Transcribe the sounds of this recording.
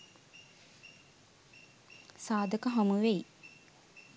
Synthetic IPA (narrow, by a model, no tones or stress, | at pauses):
saːd̪əkəɦamuʋej